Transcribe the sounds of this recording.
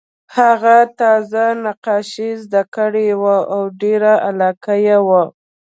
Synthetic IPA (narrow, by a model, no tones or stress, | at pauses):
haɣat̪ɑzanaqɑʃezd̪akəɽewaawɖeɾaʔalɑkajawa